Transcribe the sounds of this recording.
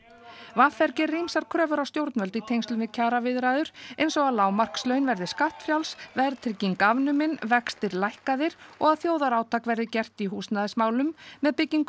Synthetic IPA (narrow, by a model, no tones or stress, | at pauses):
vafɛɾcɪrːimsaɾ̥kʰɾœːvʏɾawst̪jowɾt̪nvœlt̪ɪt̪ʰejnst̪ʏnmvɪðcʰaːɾavɪðɾajðʏɾ̥ḛjnsɔɣaðlaːwmar̥kstlœɥnvɛɾðɪskaht̪fjawlsvɛɾt̪ʰɾɪciŋkavnʏmɪnvɛkst̪ɪɾlajhkaðɪɾ̥ɔɣaðθjoːwðaɾaːwt̪ʰakvɛɾðɪcɛr̥t̪iɦuːsnaðɪsmaːwlʏmːɛðpɪcːiŋkʏ